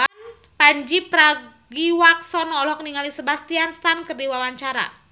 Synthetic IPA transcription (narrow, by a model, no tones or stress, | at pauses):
an | paɲd͡ʒipɾa | ɡiwaksɔnɔlɔkniŋalisəbast̪ianst̪ankərdiwawaɲt͡ʃaɾa̰